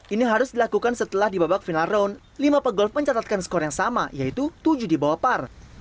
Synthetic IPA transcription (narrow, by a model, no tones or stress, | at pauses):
iniɦaɾʊsdilakukansət̪əlahdibabak̚finaɾown | limapəɡɔlfməɲt͡ʃat̪at̪̚kansə̥kɔɾajaŋsamajait̪ut̪ud͡ʒudibawapar